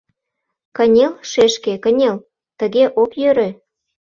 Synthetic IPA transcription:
kənʲelʃeʃkekənʲel | t̪ə̆ɣeʔokjøɾø̆

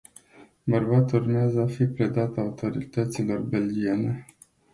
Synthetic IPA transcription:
bərbat̪urmeazəafipɾe̞d̪at̪aut̪o̞ɾḭt̪ət̪silo̞rbe̞lɡʲie̞ne̞

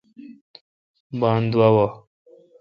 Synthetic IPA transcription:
baːnd̪uwawo

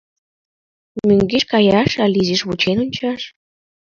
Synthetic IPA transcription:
møŋɡiʃkɑjɑʃɑliziʃβut͡ɕenunʲt͡ɕɑʃ

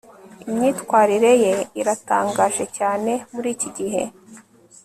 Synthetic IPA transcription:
imɲiːtkwaːɾiɾe̞je̞iɾata̰ːŋɡaːʒe̞caːne̞muɾiːciɟiɦe̞̰

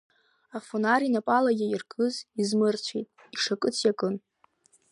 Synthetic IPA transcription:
afonaɾinapʼalaɡʲɪirkʰʼɨzizmɨrt͡ɕʷʰijtʼ | iʂakʼɨt͡sʰjakʼɨn

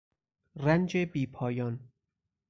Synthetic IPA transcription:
rænd͡ʒebiːpʰɒːjɒːn

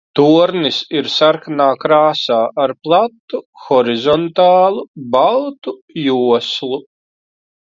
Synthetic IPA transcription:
t̪uɔɾnisiɾsaɾkanaːkɾaːsaːʔaɾplˠat̪ːuxɔɾizɔnt̪aːlˠubalˠt̪ujuɔslˠu

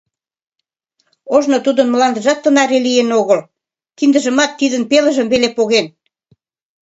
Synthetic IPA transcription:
oʒnot̪ud̪ənməlɑnd̪ə̆ʒɑt̪ːənɑɾelijenoɣəl | kind̪əʒə̆mɑt̪ːid̪ənpeləʒəmbelepoɣen

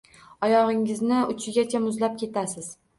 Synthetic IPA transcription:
ɒjɒʁɪŋɪznɪʊt͡ʃʰɪɡʲat͡ʃʰamʊzlap̚kʲʰe̞t̪asɪz̥

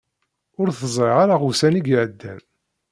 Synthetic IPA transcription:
ʊɾθəzˤɾeʁaɾaʁusæniɡʕəd̪ːæ̰n

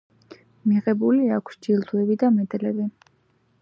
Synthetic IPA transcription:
miʁɛbuliakʷʰsd͡ʒilˠd̪wɛbid̪amɛd̪lɛbi

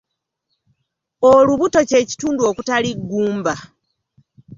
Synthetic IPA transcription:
oluβuto̞ce̞ːci̥tuːnduo̞kutaliɡːuːmba

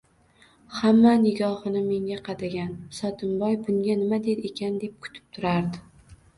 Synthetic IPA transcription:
hamːanɪɡɒhɨnɪme̞ŋɡʲaqʰɑd̪aɡʲansɒt̪ʰɪmbɒjbʊŋɡʲanɪmad̪e̞d̪e̞kʲʰand̪e̞p̚kʰʊ̥t̪ʰɪ̥p̚t̪ʰʊɾaɾd̪ɪ

